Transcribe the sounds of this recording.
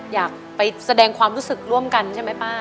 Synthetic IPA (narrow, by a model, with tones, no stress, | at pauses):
jaː˨˩k̚pa˧jsa˧dɛː˧ŋkʰwaː˧mɾuː˦˥sɯ˨˩k̚ɾu˥˩əmka˧nt͡ɕʰa˥˩ma˦˥jbaː˥˩